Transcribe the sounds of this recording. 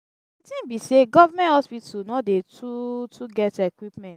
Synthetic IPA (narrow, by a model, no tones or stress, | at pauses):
itĩnbiseɡɔvamɛ̃nthɔspitunɔdetutʰuɡɛtekwipmɛ̃nt